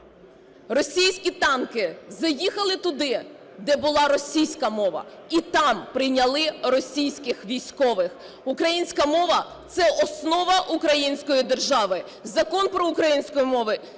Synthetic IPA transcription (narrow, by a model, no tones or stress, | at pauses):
rɔsʲijsʲkʲit̪ɑnkɪzɐjixɐlˠɪt̪ʊd̪ɪ | d̪ɛbʊlˠɑɾɔsʲijsʲkɐmɔʋɐ̰it̪ɑmpɾɪjnʲɐlˠɪɾɔsʲijsʲkɪxʋʲijsʲkɔʋɪx | ukɾɐjinʲsʲkɐmɔʋɐt̪sɛʔɔsnɔʋɐʔukɾɐjinʲsʲkɔjid̪erʒɑʋɪ | zɐkɔnpɾɔukɾɐjinʲsʲkɔjimɔʋɪ